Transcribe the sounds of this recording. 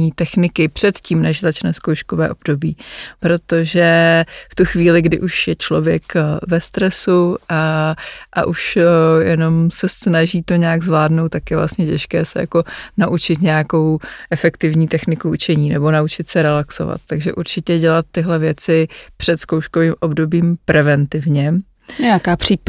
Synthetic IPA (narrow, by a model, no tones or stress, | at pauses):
iːt̪ɛxnɪkɪpr̝̥ɛt̪ciːmnɛʒzat͡ʃnɛskowʃkovɛ̰ːʔo̞bdo̞biːpɾo̞t̪o̞ʒɛft̪uxviːlɪɡdɪ̰ʔuʃjɛt͡ʃlo̞̰vjɛkvɛst̪ɾɛsuʔaʔa̰ʔuʃjɛno̞msɛsnaʒiːt̪o̞ɲɛaɡzvlaːdnowt̪t̪ːakjɛvla̰st̪ɲɛcɛʃkɛːsɛ̰ja̰ko̞naʔut͡ʃɪt̪ɲɛjako̞wʔɛfɛkt̪ɪvɲiːt̪ɛxnɪkuʔut͡ʃɛɲiːnɛbo̞naut͡ʃɪt̪sɛɾɛlakso̞̰va̰t̪t̪aɡʒɛʔuɾt͡ʃɪcɛɟɛlat̪ːɪɦlɛvjɛt͡sɪpr̥ɛt̪skowʃko̞viːmʔo̞bdo̞biːmpɾʔɛvɛnt̪ɪvɲɛ | akaːpri